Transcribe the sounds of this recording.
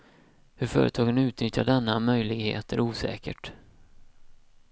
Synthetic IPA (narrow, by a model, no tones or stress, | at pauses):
hɵɾfœ̰ːɾət̪ʰɑːɡənʉ̟ːt̪nʏt̪jaɖɛnːamœjlɪɡhḛːt̪əɾuːsɛ̰ːkə̰ʈ